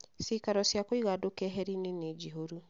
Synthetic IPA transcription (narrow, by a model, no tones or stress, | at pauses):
sikaɾɔsjakoiɣadokɛɦɛɾinened͡ʒiɦoɾu